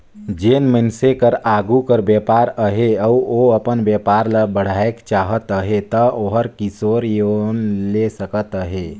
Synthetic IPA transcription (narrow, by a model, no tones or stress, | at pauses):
d͡ʒeːnmənsekəɾaːɡukəɾbjəpaːɾəɦeəuoəpənbjəpaːɾləbəɽ̤aːekt͡ʃaːɦət̪əɦet̪əoɦəɾkisoːɾjonlesəkət̪əɦe